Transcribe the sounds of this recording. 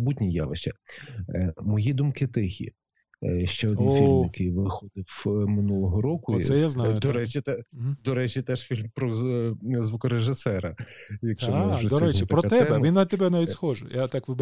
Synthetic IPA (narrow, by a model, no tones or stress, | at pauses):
butʲnʲija̰ʋeʃt͡ʃɐ | mɔjid̪umkɪt̪ɪxʲḭ | ʃt͡ʃɛɔd̪niflmjɐkejʋɪxɔd̪ɪwmɪnulˠɔɦɔɾɔkʊsɛjaznɑjd̪ɔɾɛt͡ʃʲit̪ɛd̪ɔɾɛt͡ʃʲit̪ɛʃfʲilʲmpɾɔ | zʋukɔɾeʒɪsɛɾɐjɐkʃɔnɪzɔd̪ɔɾɛt͡ʃipɾɔt̪ɛɛɛmʋʲinːɐt̪ebɛnaʋʲitʲsxɔʒɛ̰jat̪ɑkʋɪb